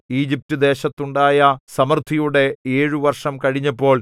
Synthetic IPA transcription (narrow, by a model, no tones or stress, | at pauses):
iːd͡ʑip̚tud̪e̞ːɕɐt̪ːuɳɖaːjɐsɐmɐrt̪ʰijuɽe̞eːɻuʋɐrʂɐmkɐɻiɲːɐpːo̞ːɭ